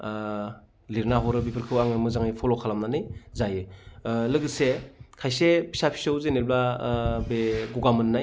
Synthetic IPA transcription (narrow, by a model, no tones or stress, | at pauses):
liɾnaɦɔɾɯbipʰɯɾkʰɯwaŋɯmɯzaŋajpʰɔlɔkʰalamnanɯjzajɯlɯɡɯsekʰajsepʰi̥sapʰi̥sɯwzenelblabeɡuɡamɯnːaj